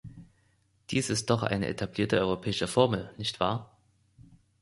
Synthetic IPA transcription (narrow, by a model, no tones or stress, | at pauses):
d̥iːsɪst̚d̥ɔχʔa̰ɪnə̰ʔḛtʰabliːɐtəɔʏʁopʰɛːɪʃəfɔɐml̩nɪçtv̥a̰ːɐ